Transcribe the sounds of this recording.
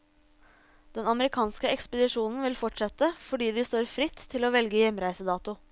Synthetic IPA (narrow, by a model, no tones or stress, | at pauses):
d̪̥ɛnɑməɾɪkʰɑːnskəɛkspəd̪ɪʂuːnn̩ʋɪlfɔʈʂɛt̪ːəfɔɖiːd̪ɪst̪oːɾfɾɪt̪ʰːɪloːʋɛlɡəjɛmɾæɪsəd̪ɑːt̪ʊ